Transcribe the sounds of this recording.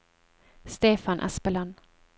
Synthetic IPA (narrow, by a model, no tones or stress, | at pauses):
st̪eːfanʔa̰spəlan